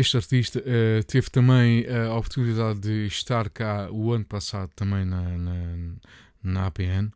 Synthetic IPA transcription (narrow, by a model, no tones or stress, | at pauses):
eʃt̪ɐɾt̪iʃt̪ɐʔɛt̪evt̪ɐmɐ̃j̃ɐɔpuɾt̪uniðaðːɨʃt̪aɾkauɐnupɐsaðut̪ɐmɐ̃j̃nɐnɐ | nɐapeɛn